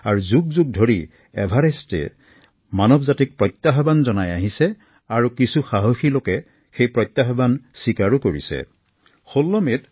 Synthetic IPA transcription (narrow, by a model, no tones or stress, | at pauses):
aɹuzuɡ̚zuɡ̚dʱoɹi | ɛbʱaɹestɛ̰ | manɔbzatik̚pɹɔjt̪ːaɦbanzɔnajaɦisɛ | aɹukisuxaɦoxilokɛ | xejpɹɔjt̪ːaɦbansikaɹukoɹḭsɛ̰ | xolːɔmet